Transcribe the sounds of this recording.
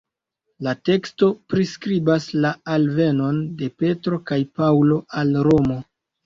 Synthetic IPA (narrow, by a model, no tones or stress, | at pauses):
late̞ksto̞pɾiskɾibaslaalve̞no̞nde̞pe̞tɾo̞kajpawlo̞ʔalɾo̞mo̞